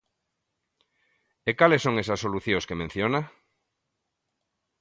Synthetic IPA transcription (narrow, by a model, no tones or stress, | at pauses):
ekalesːoŋesɐsːoluθjõskemẽn̟θjona